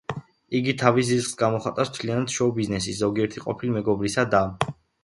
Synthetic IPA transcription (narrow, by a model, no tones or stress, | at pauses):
iɡit̪ʰavis̬zisχsɡamɔχat̪ʼast̪ʰlianad̪̥ʃɔbiznɛsiszɔɡiɛɾt̪ʰiqʼɔpʰilimɛɡɔbɾisad̪a